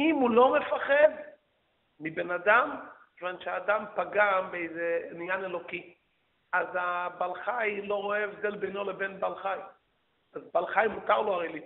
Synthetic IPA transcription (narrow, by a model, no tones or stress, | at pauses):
imulo̞mefaχed̪ | mibenad̪am | ʒvanʃeaːd̪ampaɡambeejzenjanelo̞ki | azabalχajlo̞ʁoeːfd̪elbeno̞lebenbalχaj | azbalχajmut̪aʁloaʁejli